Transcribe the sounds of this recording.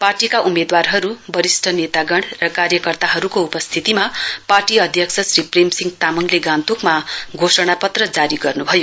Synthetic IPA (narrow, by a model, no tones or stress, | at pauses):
parʈikaʔumed̪warɦʌɾubʌɾisʈʰʌnet̪aɡʌɳɽrʌkaɾjʌkʌrt̪aɦʌɾukoupʌst̪ʰit̪imaparʈiʌd̪ʱjʌkt͡sʰʌsripremsiŋɡt̪amʌŋleɡãnt̪ukmaɡʱosʌɽ̃apʌt̪rʌd͡zaɾiɡʌrnubʱʌjo